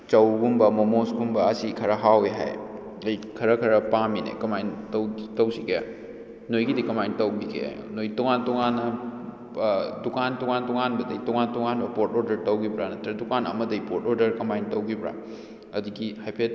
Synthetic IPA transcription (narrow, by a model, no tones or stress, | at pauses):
t͡ʃɐwɡumbɐmomosɡumbɐːsikʰɐɾɐɦaweɦa̰j | ɐjkʰɐɾɐkʰɐɾɐpaminḛkɐmajntɐwtɐwsiɡeja̰ | nojɡidikɐmajntɐwbiɡḛa̰j̰nojtɔŋantɔŋanːɐ | dukantɔŋantɔŋanbɐdɐjtɔŋantɔŋanbɐpoɾtoɾdɐɾtɐwɡibɾanɐtɾɐdukanɐ̰mɐdɐjpoɾtʰoɾdɐɾkɐmajntɐwɡibɾa̰ | ɐdiɡihajpʰet̚